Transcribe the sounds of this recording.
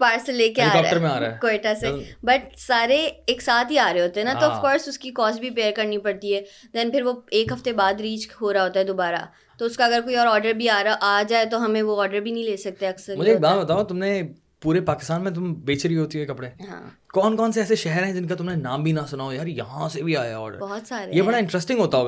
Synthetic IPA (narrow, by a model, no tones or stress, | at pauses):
paːʈseleːkeaːɔːkːəɾmẽaːɾa̰ɛkoeːʈasebɐʈsaːɾeeːksaːt̪ɦiaːɾeeɦoːt̪eɦɛ̃naɦ̪oɐfkɔːɾsʊskikɔːsbʱipeːəɾkɐɾnipɐɽt̪iɦɛː | d̪ɛnpɪɾʋoeːkɦɐft̪ebaːd̪ɾiːt͡ʃɦoːɾaɦoːt̪aɦɛd̪obaːɾa̰ | t̪oʊskaɐɡəɾkoːiɔːɾɔːɾɖəɾbʱiaːɾaʔaːd͡ʒaːet̪oɦɐmẽʋoɔːɾɖəɾbʱinɐɦĩleːsɐk̚t̪eɛɐksəɾmʊd͡ʒʱeːk̚baːt̪̚bɐt̪aːot̪ʊmnẽ | puːɾepaːkɪst̪aːnmẽt̪̬ʊmbeːt͡ʃɾiɦoːt̪iɦuɛkɐpɽeɦã̰ː | kɔːnkɔːnseɛːseʃɛɦɛɾɦɛ̃d͡ʒɪnkat̪ʊmnẽnaːmbʱinɐsʊnaojaːɾjɐ̰ɦãsebʱiaːjaaɛɔ̰ːɾɖə̰ɾbɔɦɔt̪saːɾejebɐɽaɪ̃ɳʈɾɛsʈɪ̃ŋɦoːt̪aɦoːɡa